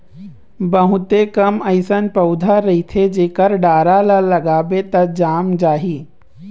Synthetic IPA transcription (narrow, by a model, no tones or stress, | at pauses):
bəɦʊ̃t̪ekɐmɐɪsənpɐʊd̪ʱaɾɐɦit̪ʰed͡ʒeːkəɾɖaːɾalalɐɡaːbet̪ɐd͡ʒaːmd͡ʒaːɦiː